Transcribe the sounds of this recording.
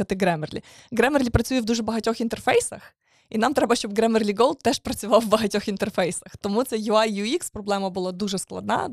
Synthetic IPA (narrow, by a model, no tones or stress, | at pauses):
ɐt̪ɪɡɾɛmerlʲḭ | ɡɾɛmerlʲipɾɐt͡sʲujɛwd̪uʒɛbɐɦɐtʲɔxint̪ɛrfɛjsɐx | inɑmt̪ɾɛbɐʃt͡ʃɔbɡɾɛmerlʲiɡɔlˠd̪̚t̪ɛʃpɾɐt͡sʲʊʋɑwːbɐɦɐtʲɔxint̪ɛrfɛjsɐxt̪ɔmut̪sɛjuɑjːuikspɾɔblˠɛmɐbʊlˠɑd̪uʒɛsklˠɐ̰d̪nɑ̰